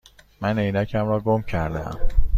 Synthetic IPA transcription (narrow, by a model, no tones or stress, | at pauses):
mæne̞jnæcʰæmɾɒːɡomcʰæɾd̪ḛæ̰m